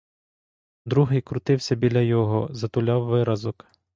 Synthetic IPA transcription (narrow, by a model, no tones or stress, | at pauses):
d̪ɾuɦɪjkɾʊt̪ɪwsʲɐbʲilʲɐjɔɦɔzɐt̪ʊlʲɑwːɪɾɐzɔk